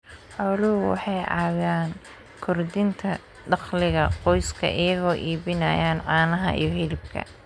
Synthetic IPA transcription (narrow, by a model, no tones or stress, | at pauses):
ħɔlʊwɑ̰ħɑjʕɑːwaːn | kʰʊrd̪ɪnt̪ʰɐ | ɖɑχlɪɣɐqɔjskʰɐ̰ʔɪjɐɣɔːʔiːβɪnɐjaːnʕɑːnɐɦɐ̰ʔḭjɞɦɪlɪb̚kʰɐ̰